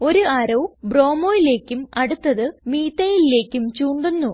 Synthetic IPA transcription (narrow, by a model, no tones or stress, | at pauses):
o̞ɾuɐɾɐwbro̞ːmoːjile̞ːkʲːumɐɽut̪ːɐðɨmiːt̪ːɐjile̞ːkʲːumt͡ɕuːɳɖunːu